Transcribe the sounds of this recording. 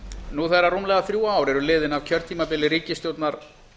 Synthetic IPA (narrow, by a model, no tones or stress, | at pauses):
nuθejrːarumlɛɣaθɾjuːaːwɾɛɾʏlɪːðɪnavcʰœɾ̥t̪ʰiːmapɪlɪɾiːcɪst̪jowt̪naɾ̥